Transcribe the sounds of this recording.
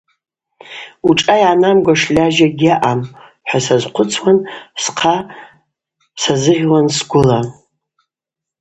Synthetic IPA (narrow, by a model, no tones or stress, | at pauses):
uʈ͡ʂʼajanamɡʷaʂlʲaʒaɡʲaʔam | ħʷasazqʷʰʊt͡sʰwansqʰa | sazɨʁʲwansɡʷʊla